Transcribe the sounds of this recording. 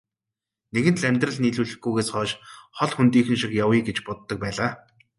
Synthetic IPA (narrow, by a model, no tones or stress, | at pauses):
neɣɘ̆nt̪ɮæmʲt̪rə̆ɮniːɮuːɮɘ̆xɡujɣeːsχɔːʃχɔɮxunt̪iːxɘ̆nʃixjawiːɡet͡ɕpʊt̪ːə̆k̚pæːɮaː